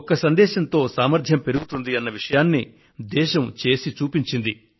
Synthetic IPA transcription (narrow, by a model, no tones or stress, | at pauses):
kɐsɐnd̪ɛːʃɐnt̪o̞ːsaːmɐɾd̪ʱjɐmpe̞ɾuɡut̪und̪iɐnːɐʋiʂɐjaːnːi | d̪ɛːʃɐmt͡ʃe̞ːsit͡ʃuːpiɲt͡ʃind̪i